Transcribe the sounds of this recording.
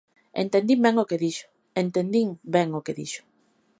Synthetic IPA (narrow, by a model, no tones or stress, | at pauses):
ḛnt̪end̪imbɛŋokeðiʃʊ̥ | ent̪end̪iŋbɛŋokeðḭʃʊ̥